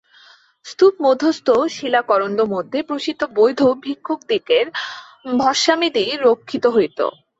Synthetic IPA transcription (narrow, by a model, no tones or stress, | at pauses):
st̪upmod̪ʱːost̪oʃilakɔɾond̪omod̪ʱːepɾoʃit̪obojd̪ʱobʱikʰːok̚d̪ikeɾ | bʱɔʃamid̪iɾokʰːit̪oɦojt̪o̰